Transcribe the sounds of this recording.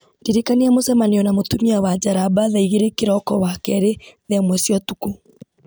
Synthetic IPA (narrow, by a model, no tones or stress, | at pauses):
ndiɾekaneamosɛmaneɔnamotumiawad͡ʑaɾabaðaiɣeɾekeɾɔkɔwakɛɾeðamwɛsjɔtuku